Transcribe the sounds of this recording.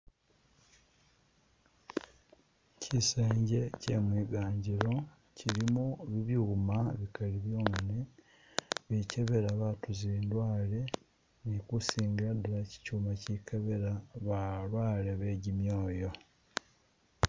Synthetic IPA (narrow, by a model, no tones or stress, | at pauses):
cʰiseːɲɟe̞ce̞mwiːɡaːɲɟiɾo̞ | ciɾimuβiβjumaβikaliβjoːŋne | βiceβe̞ɾaβatuziːndwaːle̞ | nikusiːŋɡiɾaduɾaci̥cuːmacikʰeβeɾaβalwaːleβe̞ɟimjoːjo̞